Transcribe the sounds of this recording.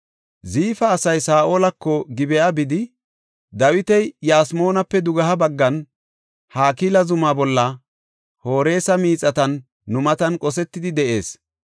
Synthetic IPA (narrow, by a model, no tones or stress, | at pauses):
ziːfɐːsɐjsaːʔo̞ːlɐkːɔɡɪbɛjabɪd̪ɪ | d̪ɐwɪt̪ɛjjaːsmo̞ːnɐpːɛd̪ʊɡɐɦɐbɐɡːɐn | haːkiːlɐzʊmaːbɔlːɐ | ho̞ːɾe̞ːsɐmiːt͡sʼːɐt̪ɐnː | ʊmɐt̪ɐnkʼɔsɛt̪ːɪd̪ɪd̪ɛʔe̞ːs